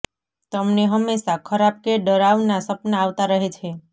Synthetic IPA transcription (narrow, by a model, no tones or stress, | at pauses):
t̪əmneɦəmːeʃakʰəɾap̚keɖəɾaʋnasəpnaaːʋt̪aɾəɦet͡ʃʰe